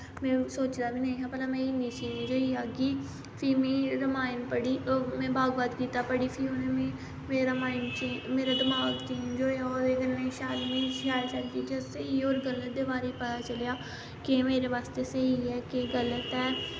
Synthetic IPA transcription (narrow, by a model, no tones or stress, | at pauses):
mɛ̃ːsoːt͡ʃd̪aːbiːnəĩːɦãːpəlamɛ̃ːɪ̃nd̪iːt͡ʃiːnĩd͡ʒoːiːaːɡiː | pʰɪmĩːɾəmaːɪnpəɽiːmɛ̃ːbaːɡʋaːd̪kiːt̪aːpəɽiːpʰɪonemẽː | meːɾamaːɪnt͡ʃimeːɾad̪əmaːɡt͡ʃiːnd͡ʒoːeaɔːɾeːkənːẽːʃaːlmĩːʃaːt͡ʃəɽd͡ʒiːd͡ʒɛːsəɦiːoːɾɡələt̪̚d̪eːbaːɾiːpət̪aːt͡ʃəljaː | kɪmeːɾeːʋaːst̪eːsəɦiːɛːkeɡələt̪ɛː